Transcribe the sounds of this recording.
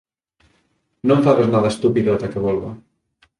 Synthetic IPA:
nõɱfaβeznaðast̪upiðot̪akeβɔlɣa

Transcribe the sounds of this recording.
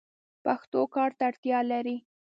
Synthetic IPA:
paxt̪okɑɾt̪aɽt̪jɑlaɾi

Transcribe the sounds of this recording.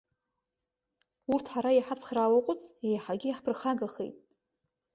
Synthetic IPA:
urtʰħaɾajaħat͡sʰχrawaqʷʼʊt͡sʼejaħaɡʲɪjaħpʰrχaɡaχḛjtʼ

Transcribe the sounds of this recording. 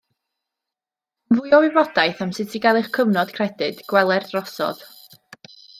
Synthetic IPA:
nvʊjɔwɪbɔd̥ajθamsɪtʰiɡɛlˠɨχkʰəvnɔd̥kʰrɛdɨd̥ɡ̥wɛlˠɛrd̥rɔsɔ̰ð̥

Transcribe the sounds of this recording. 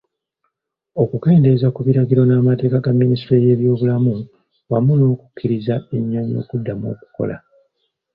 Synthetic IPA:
o̞kuke̞ːnde̞zakuβiɾaɡiɾo̞naːmate̞ːkaɡamːinisiɾeje̞ːβjo̞ːβulamu | wamuno̞ːku̥kʰːiɾizaeɲːaɲo̞̰ːkudːamo̞̰ːku̥ko̞̰la̰

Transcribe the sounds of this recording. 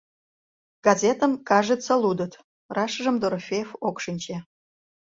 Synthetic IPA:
ɡ̥ɑzʲet̪əmkɑʒətt͡səlud̪ət̪ | rɑʃʒə̆md̪oɾfʲejfokʃɨnʲt͡ɕe

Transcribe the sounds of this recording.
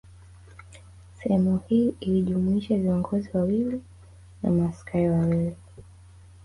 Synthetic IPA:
sɛhɛmuhiːiliʄumuiʃaviɔŋɡɔziwawili | na̰maskʰaiwawili

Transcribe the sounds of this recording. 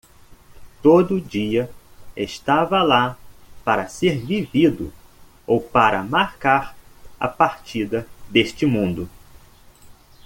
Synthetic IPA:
t̪od̪ʊd͡ʒiɐeʃt̪avɐlapaɾɐseɾvivid̪ʊ̰ | owpaɾɐ̰maɾkaɾɐ̰paɾt͡ʃid̪ɐd̪eʃt͡ʃɪmũnd̪ʊ

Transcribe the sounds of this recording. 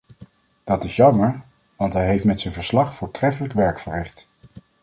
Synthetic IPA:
d̥ɑtɪsjɑməɹ | ʋɑntɦɛjɦejftmɛtsənvəɹslɑχfʊːɹtrɛfələkʋɛɹkfəɹrɪχt

